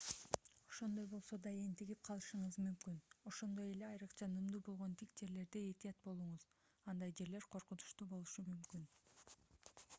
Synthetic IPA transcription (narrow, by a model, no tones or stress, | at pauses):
o̞ʃo̞nd̪o̞jbo̞lˠso̞d̪ɑjent̪iɡip̚qʰɑlˠɯʃɯɴɯzmymkyno̞ʃo̞nd̪o̞je̞le̞ɑjɾɯqt͡ʃɑnɯmd̪uːbo̞lˠʁo̞nt̪ʰikd͡ʒe̞ɾle̞ɾd̪eet̪ijɑt̪̚bo̞lˠuɴuz | ɑnd̪ɑjd͡ʒe̞ɾle̞ɾqʰo̞ɾqunu̥ʃt̪uːbo̞lˠuʃumymkyn